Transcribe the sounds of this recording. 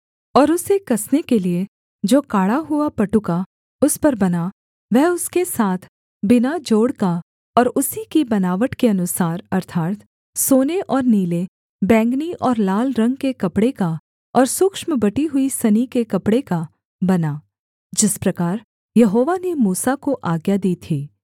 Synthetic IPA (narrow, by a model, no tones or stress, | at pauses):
ɔːɾʊsekɐsnekelie | d͡ʒoːkaːɽaɦuapɐʈʊka | ʊspɐɾbɐna | ʋɛɦʊskesaːt̪ʰ | bɪnad͡ʒoːɽka | ɔːɾʊsikibɐnaːʋəʈkeɐnʊsaːɾɐɾt̪ʰaːɾt̪ʰ | soːneʔɔːɾniːle | bɛ̃ːŋɡniʔɔːɾlaːlɾɐ̃ŋɡkekɐpɽeka | ɔːɾsʊkʃməbɐʈiɦʊisɐnikekɐpɽeka | bɐnaː | d͡ʒɪspɾɐkaːɾ | jɐɦoːʋanemuːsakoʔaːɡjad̪iːt̪ʰiː